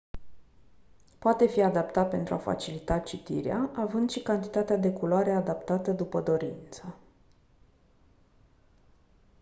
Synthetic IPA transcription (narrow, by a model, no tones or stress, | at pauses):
poat̪e̞fiad̪apt̪at̪̚pe̞nt̪ɾuafa̰t͡ʃilit̪at͡ʃit̪iɾeaʔavɨnd̪ʃikant̪it̪at̪ead̪e̞kuloaɾe̞ad̪apt̪at̪əd̪upəd̪o̞ɾint̪sə